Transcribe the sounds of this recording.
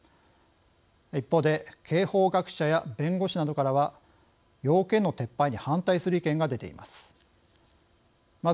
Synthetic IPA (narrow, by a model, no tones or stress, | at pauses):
ipːo̞ːd̪e̞kʰe̞ːho̞ːɡakɯ̟̥ɕajabẽ̞ŋɡo̞ɕinad̪o̞kaɾaβa | jo̞ːkẽ̞nːo̞t̪e̞pːaiɲ̟ihãnt̪aisɨɾɯ̟ikẽ̞ŋɡad̪e̞t̪e̞̰ḭma̰sɨ̥ | ma